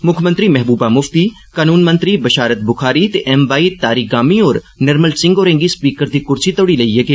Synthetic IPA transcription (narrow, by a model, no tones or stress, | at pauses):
mʊkʰmɐ̃nt̪ɾimɛɦbuːbamʊft̪iː | kaːnuːnmɐ̃nt̪ɾibɐʃaːɾət̪̚bʊxʰaːɾit̪eʔɛmʋaːit̪aːɾiːɡaːmiɔːɾ | nɐɾməlsɪ̃ŋɡoːɾẽŋɡispiːkəɾd̪iːkʊɾt͡ʃʰit̪oɽilɐijɐɡeː